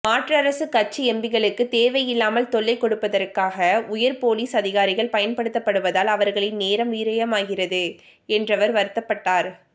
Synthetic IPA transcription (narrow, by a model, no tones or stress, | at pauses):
maːʈrɐɾɐsɯkɐt͡ʃːiɛmbɪɣɐɭɯkːɯt̪eːʋɐjɪlːaːmɐlt̪ɔɭːɐɪkːɔɽɯpːɐðɐɾkːaːɣɐʊjɐɾpoːliːsɐðɪɣaːɾɪɣɐɭpɐjɐnpɐɽɯt̪ːɐpːɐɽɯʋɐðaːlɐʋɐɾɣɐɭɪnneːɾɐmʋiːɾɐjɐmaːɣɪrɐðɯ | ɛndrɐʋɐɾʋɐɾɯt̪ːɐpːɐʈːaːɾ